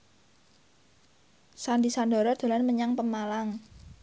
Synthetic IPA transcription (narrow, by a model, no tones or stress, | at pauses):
sandisandɔ̤ɾɔd̪̥a̤lanməɲaŋpəmalaŋ